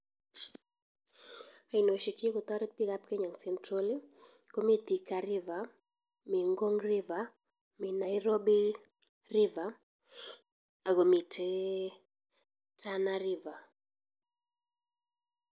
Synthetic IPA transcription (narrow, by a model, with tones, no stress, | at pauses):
a˨i˨no˨ʃi˨ki˦kʊ˨t̪ɔ˦ɾɛ˦t̪̚pi˦ɡa˦p̚ke˦ɲa˨ŋsɛntɾo˦li˦ | ko˦mi˦t̪i˨ka˨ɾɪ˦va˨ | mi˨ŋɡo˦ŋrɪ˦va˨ | mi˨na˨iɾo˦bi˦ | rɪ˦va˨ | a˨ɡo˨mi˨tʰe | tʰa˦naɾɪva˨